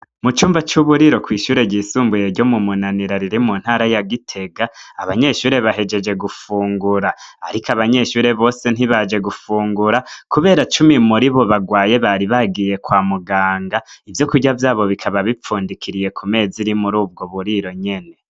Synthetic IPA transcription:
mut͡ʃuːmbat͡ʃuβuɾiɾo̞kwiːʃuːɾe̞ɟiːsuːmbuje̞ɾɟo̞mumunaniɾaɾiɾimun̥haːɾajaɡitʰe̞ɡaːβaɲe̞ːʃuːɾe̞βaɦe̞d͡ʒe̞d͡ʒe̞ɡufuːŋɡuɾaaɾikaβaɲe̞ʃuːɾe̞βo̞ːse̞n̥iβad͡ʒe̞ɡufuːŋɡuɾakuβe̞ːɾat͡ʃumimuɾiβo̞βaɡwaːje̞βaːɾiβaɡije̞kwaːmuɡaːŋɡaivjo̞kuɟavjaːβo̞βikʰaβaβip͡fuːndikʰiɾije̞kʰume̞ːziɾimuɾuːb̚ɡoβuɾiɾo̞ɲe̞ne̞

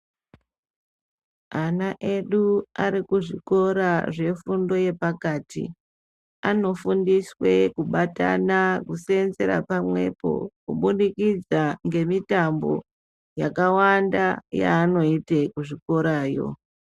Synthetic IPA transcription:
anaʔe̞ɗuaɾikuʐiko̞ɾaʐe̞fundo̞je̞pakaːtḭ | ano̞fundiswe̞kuɓata̰nakuse̞nze̞ɾa̰pamwe̞̰po̞̰kuɓunikid͡zaŋɡe̞mitambo̞̰ | jakawandaja̰ːno̞itekuʐiko̞ɾaːjo̞̰

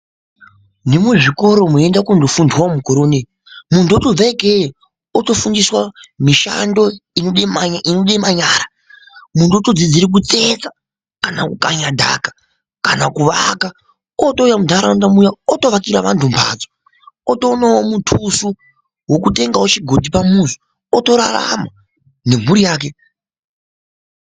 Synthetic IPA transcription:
nimuʐiko̞ɾo̞moendakundofundwamukoɾoːne | muntuoto̞b͡vaike | oto̞fundiswamiʃa̰ndo̞inoɗainoɗemaɲaːɾa | muntuotod͡zid͡ziɾik̬ut͡se̞t͡sa | kanakukaɲadʱa̰ːkḁ | kanakuʋaka | oto̞ujamudʱaɾandamujaoto̞ʋakiɾaʋantumpʰa̰d͡zo | oto̞nawomutʰusu | wo̞k̬ute̞ŋɡawot͡ʃiɡʱo̞tipamuzo | oto̞ɾa̰ra̰ma | ne̞m̤uɾijaːk̬e

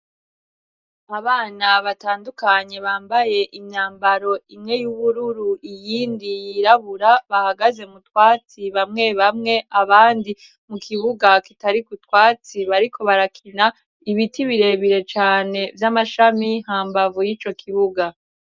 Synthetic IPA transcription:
aβaːnaβataːndukaɲe̞βaːmbaje̞ʔimɲaːmbaɾo̞imŋe̞juβuɾuɾuʔijiːndijiɾaβuɾaβahaɡaze̞mutwaːt͡siβamŋe̞βamŋe̞ʔaβaːndi | mukʰiβuɡakitaɾikutwaːt͡siβaɾikʰo̞βaɾakʰina | iβitiβiɾe̞βiɾe̞t͡ʃaːne̞vjamaʃamihaːmbavujit͡ʃo̞kʰiβuɡa

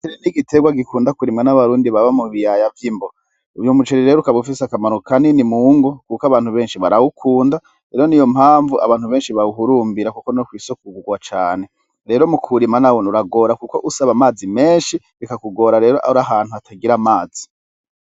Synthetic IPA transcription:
t͡ʃeɾiniɡiteɡwaɡikuːndakuɾimŋanaβaɾuːndiβaβamuβijajavjimbo | uvjomut͡ʃeɾiɾeːɾokaβufisakamaɾokaninimuːŋɡo̞kukaβaːn̥huβe̞ːnʃiβaɾawukʰuːnda | ɾeɾo̞nijo̞mhaːɱvua̰βaːnhuβeːnʃiβauɦuɾuːmbiɾakuko̞nokwiːsok̚uɡuɡwat͡ʃaːne̞ | ɾe̞ːɾo̞mukʰuɾimanawonuɾaɡo̞ːɾakuko̞̰ʔusaβamaːzime̞ːnʃi | βikakuɡo̞ːɾaɾe̞ːɾoʔa̰ɾaɦaːn̥huatʰaɡiɾamaːzi̥

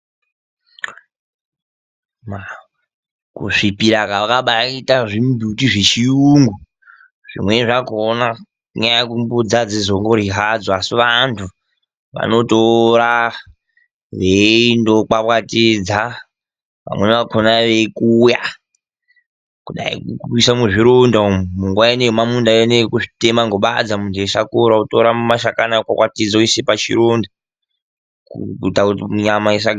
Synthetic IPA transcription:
ma | kṵʂipiɾakaʋakaɓaitaʐimbʱutiʐe̞t͡ʃijuŋɡu | ʐ̥ḭmwe̞ʐakona | uɲajakumbud͡zad͡zizo̞ŋɡo̞ɾiɦad͡zoasiʋantʰu | ʋa̰no̞toɾa | ʋeindokwapwatid͡za | ʋa̰mweneʋakʰonaʋekuːja | kuɗa̰ḭkuurwisamuʐiɾondomuŋɡwaenemamundaenekuʐi̥temaŋɡoɓad͡zamundeʃakoɾautoɾamumaʃakanakakwatid͡zaisepat͡ʃḭɾonda | kuutakutiɲamais̬a

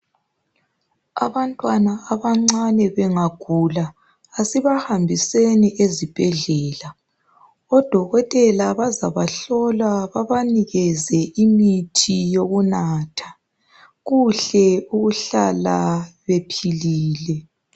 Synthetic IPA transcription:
a̰βantʼwanaːβaŋ͡ǀanɛβɛŋaɡ̥ʱulaː | siβahambʱiseniʔezib̥ʱɛɮɛːla | ɔd̥ʱɔɣɔtʼɛlaβazaβaɬɔlaβaβaniɣɛzɛʔimitʰijoɣunaːtʰḁ | ɣuɬɛuɣuɬalaβepʰiliːlɛ

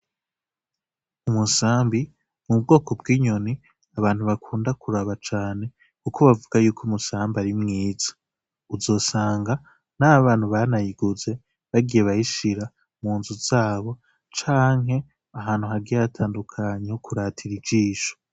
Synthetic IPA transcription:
umusaːmbi | mub̚ɡo̞ːko̞bɡiːɲo̞ni | aβaːn̥huβakʰuːndakʰuɾaβat͡ʃaːne̞ | kukʰo̞βavuɡajuːkʰumusaːmbaɾimŋiːz̥ḁ | uzo̞ːsaːŋɡa | naβaːn̥huβanajiɡuze̞ | βaɡijeβajiʃiɾa | muːnzuz̥aːβo̞ | t͡ʃaːŋɦe̞ | aɦaːn̥huɦaɡijaatʰaːndukʰaɲehokʰuɾatʰiɾid͡ʒiːʃo̥

